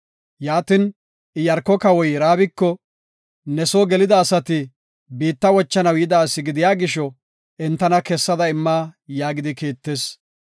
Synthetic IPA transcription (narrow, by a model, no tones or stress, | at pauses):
jaːt̪ɪn | ɪjɐɾkːɔkɐwɔjɾaːbɪkːɔ | nɛsoːɡɛlɪd̪ɐːsɐt̪ɪ | biːt̪ːɐwɔt͡ʃːɐnɐwjɪd̪aːsːɪɡɪd̪ɪjaːɡɪʃɔ | ʔɛnt̪ːɐnɐkɛsːɐd̪ɐɪmːaːjaːɡɪd̪ɪkiːt̪ːe̞ːs